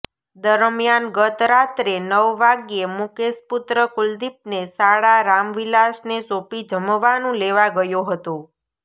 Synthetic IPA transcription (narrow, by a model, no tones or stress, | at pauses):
d̪əɾmijanɡət̪ɾat̪ɾenəʋːaɡijemukesput̪ɾəkuld̪ip̚nesaɽaɾamʋilasnesopid͡ʒəmʋanũleʋaɡəjõɦət̪õ